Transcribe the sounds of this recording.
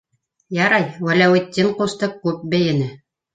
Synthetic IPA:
jɑɾɑjwælæwɘ̆d̪̚ʲːiɴqust̪ɤkʉp̚bɘ̆jɘ̆nɘ

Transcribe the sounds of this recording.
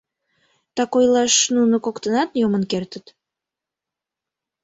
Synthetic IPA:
t̪ɑkojlɑʃnunokokt̪ənɑt̪jomənkert̪ət̪

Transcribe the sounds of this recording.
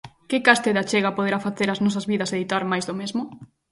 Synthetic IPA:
kɪkast̪eðat͡ʃeɣapoð̞eɾafaθeɾaznɔsɐzβiðɐseðit̪aɾmajzðomezmʊ

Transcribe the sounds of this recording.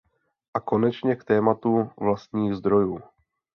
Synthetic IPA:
ʔako̞nɛt͡ʃɲɛkt̪ɛːmat̪uvlast̪ɲiːɣzd̪ɾojuː

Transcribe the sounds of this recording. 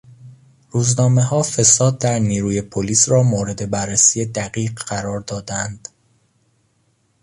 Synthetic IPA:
ruːznɒːme̞ɦɒːfe̞sɒːd̪̚ːæɾniːɾuːje̞pʰoliːsɾɒːmoːɾe̞d̪e̞bærːesiːjed̪æɢiːɢɢæɾɒːɾd̪ɒːd̪ænd̪̥

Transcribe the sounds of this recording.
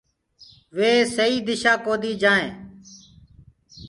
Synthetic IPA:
ʋeːsəiːd̪ɪʃaːkoːd̪iːd͡ʒãːẽː

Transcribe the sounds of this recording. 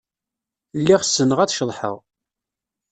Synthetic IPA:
lːiʁsːənəʁæt͡sʃəðˤħə̰ʁ

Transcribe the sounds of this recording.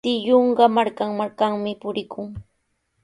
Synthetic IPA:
t̪ɪʎoɴɢɑmaɾkaŋmaɾkaŋmɪpʊɾɪkʰʊŋ

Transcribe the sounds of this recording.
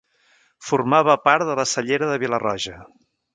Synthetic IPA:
furmaβəpaɾt̪ðələsəʎeɾəðəβilərɔʒə

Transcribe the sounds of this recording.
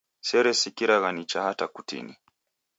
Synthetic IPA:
sɛɾɛsikiɾaɣanit͡ʃahatakutḭni

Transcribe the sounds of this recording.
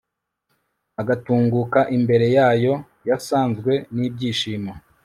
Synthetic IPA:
aɡatuːŋɡukaʔimbe̞ɾe̞jaːjo̞ | jasaːnzɡwe̞niːb̚ɟiːʃiːma

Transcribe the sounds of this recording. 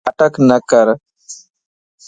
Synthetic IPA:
əʈəknəkəɾ

